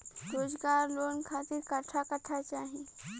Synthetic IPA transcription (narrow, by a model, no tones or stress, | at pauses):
ɾoːzɡaːɾloːnkʰaːt̪ɪɾkɐʈʰakɐʈʰat͡ʃaːɦie